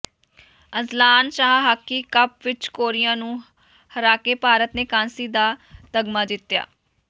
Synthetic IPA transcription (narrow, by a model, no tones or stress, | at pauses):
əzlaːnʃaːɦaːkːiːkəp̚ʋɪt͡ʃkoːɾɪjãːnũː | həɾaːkeːpaːɾət̪neːkãːnsiːd̪aːt̪əɡmaːd̪ɪt̪ːja̰ː